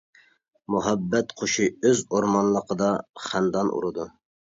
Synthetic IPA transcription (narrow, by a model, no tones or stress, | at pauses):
muɦæbːɛt̪qʰoʃiøzoɾmɑnlˠəqʰəd̪ɑχænd̪ɑnʔṵɾɨd̪u